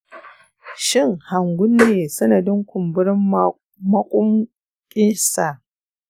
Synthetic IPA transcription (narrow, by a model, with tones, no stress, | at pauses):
ʃɪ˦ŋha˨ŋɡʷʊ˦nːeː˨sɐ˦nɐ˨dɪ˦ŋkʷʊ˨mbʊ˦ɾɪ˦m | mɐ˦kʷʼʊ˦m | kʲʼɪ˦nsa˨ʔ